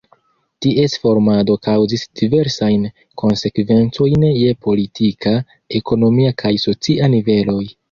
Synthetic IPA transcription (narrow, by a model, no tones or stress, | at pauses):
tiʔe̞sfo̞ɾmado̞kawzisd̥ive̞ɾsajn | kʰo̞nse̞kve̞nt͡so̞jnje̞po̞litʰikʰa | e̞ko̞no̞miakʰajso̞t͡siʔanive̞lo̞j